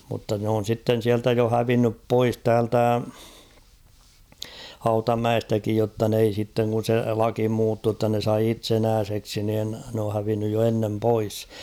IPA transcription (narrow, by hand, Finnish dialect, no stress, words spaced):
mutːɑ n oːn̞ sitːen siæltæ jo hæʋinːyp pois tæːltæ hɑutɑmæestækij jotːɑ n ei sitːeŋ kun̞ se lɑki muːtːuː tːɑ ne sɑi itsenæːseksi niːn n oː hæʋinːyj jo enːem pois